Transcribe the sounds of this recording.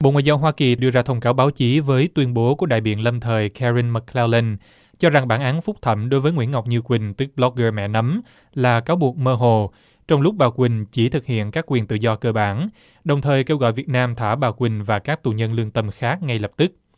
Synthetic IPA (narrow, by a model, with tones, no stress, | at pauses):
ɓo̰˧˨ŋwaː˧˨zaː˧wɦwaː˧ki˨˩ɗɨ˧əzaː˧t̪ʰə˧wŋ͡mkaː˨˦wɓaː˨˦wt͡ɕi˨˦vəː˨˦jt̪wi˧ənɓo˨˦ku˧˩əɗa̰ː˧˨jɓḭ˧˨ənlə˧mt̪ʰəː˨˩jkʰɛ˧ɹi˧nmə˨˧˩kʰlɛ˧wlə˧n | t͡ɕɔ˧za˨˩ŋɓaː˧˩nʔaː˨˦nfʊ˦˥k͡p̚t̪ʰə˧˩mɗo˨˦jvəː˨˦jŋwḭ˧˥ənŋa˨˩wk͡p̚ɲɨ˧kwï˨˩ŋ̟t̪ɨ˨˦˥k̚ɓlɔ˦˥k̚ɣəː˧mɛ̰˧˨nə˨˦m | laː˨˩kaː˨˦wɓu˨˩ək̚məː˧ɦo˨˩ | t͡ɕɔ˧wŋ͡mlʊ˦˥k͡p̚ɓaː˨˩kwï˨˩ŋ̟t͡ɕi˧˩t̪ʰɨ˨˩k̚hḭ˧˨ənkaː˦˥kːwi˨˩ənt̪ɨ̰˧˨zɔ˧kəː˧ɓaː˧˩n | ɗə˨˩wŋ͡mt̪ʰəː˨˩jke˧wɣɔ̰˧˨jvi˨˩ət̚naː˧mt̪ʰaː˧˩ɓaː˨˩wkwï˨˩ŋ̟vaː˨˩kaː˦˥k̚t̪u˨˩ɲə˧nlɨ˧əŋt̪ə˧mxaː˦˥k̚ŋa˧jlə˨˩p̚t̪ɨ˦˥k̚